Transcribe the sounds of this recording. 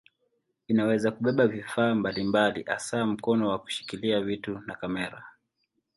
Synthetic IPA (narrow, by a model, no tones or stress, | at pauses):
inawɛzakuɓɛɓavifaːmbalimbaliʔa̰saːm̩kɔnɔwaku̥ʃi̥kiliavitunakamɛɾa